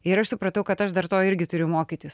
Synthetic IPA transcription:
ɪɾɐʃsʊpɾɐt̪ɐʊkɐt̪ɐʃd̪ɐɾt̪oːɪɾʲɡʲɪt̪ʊɾʲʊmoːkʲit̪ʲɪs

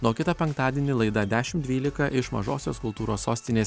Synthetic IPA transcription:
nuːkʲɪt̪ɐpʲɛŋkt̪ɑːd̪ʲiɛnʲɪlˠɐɪd̪ɐd̪ʲæːʃʲɪmt̪d̪ʲʋʲiːlʲɪkɐʔɪʃmɐ̰ʒo̰ːsʲoːskʊlˠt̪uːɾoːsoːsʲt̪ʲɪnʲeːs

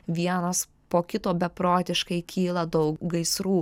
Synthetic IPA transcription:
ʋʲiɛnɐs | poːkʲɪt̪oːbʲɛpɾoːt̪ʲɪʃkɐɪkʲʰiːlˠɐd̪ɐʊkɡɐɪsɾuː

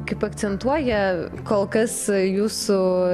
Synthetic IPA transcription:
kɐɪpɐk̚t͡ssʲɛnt̪uɔjɛkoːlˠkɐsjuːsʊ

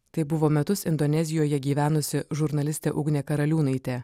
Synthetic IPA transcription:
t̪ɐɪbʊʋoːmʲɛt̪ʊsɪnd̪onʲɛzʲɪjoːjɛɡʲiːʋʲæːnʊsʲɪʒʊɾnɐlʲɪsʲt̪ʲeːʔʊːɡnʲeːkɐɾɐlʲuːnɐɪt̪ʲeː

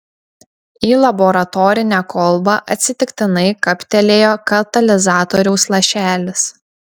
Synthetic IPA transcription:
iːlˠɐbɔɾɐt̪ɔːɾʲɪnʲæːkɔlˠbɑʔɐt̪ʲsʲɪt̪ʲɪkt̪ʲɪnɐɪkɐpʲt̪ʲɛlʲeːjoːkɐt̪ɐlʲɪzɑːt̪ɔɾʲɛʊslˠɐʃʲæːlʲɪs

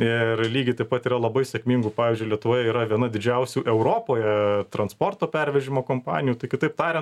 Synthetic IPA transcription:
ɪrlʲiːɡʲɪt̪ɐɪpɐt̪iːɾɐlˠɐbɐɪsʲɛkmʲiːŋɡʊpɑːʋʲiːzʲd͡ʒʲʊɪlʲɛt̪ʊʋoːjɛiɾɐʋʲiɛnɐd̪ʲɪd͡ʒʲɛʊsʲuːʔɛʊɾoːpoːjɛt̪ɾɐnspoːrt̪oːpʲɛɾʲʋʲɛʒʲɪmoːkoːmpɑ̰ːnʲɪjuːt̪ɐɪkʲɪt̪ɐɪp̚t̪ɑːɾʲɛ

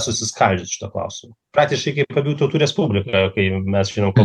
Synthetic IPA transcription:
sʊsʲɪskɐlʲd͡ʒʲɪt̪ʃʲɪ̥t̪ɐklˠɐ̰ʊsʲɪmɐpɾɑːk̚t̪ʲɪʃkɐɪkʲɐɪpɐbʲjuːt̪ɐʊt̪uːɾʲɛspubʲlʲɪkɐkɐɪmʲɛsʒʲinomkoː

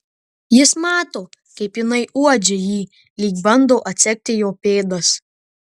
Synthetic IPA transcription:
jɪsmɑːt̪oːkɐɪpjɪnɐɪʔuɔd͡ʒʲejiː | lʲiːkbɐnd̪oːʔɐt̪ʲsʲɛk̚ʲt̪ʲɪjoːpʲeːd̪ɐs

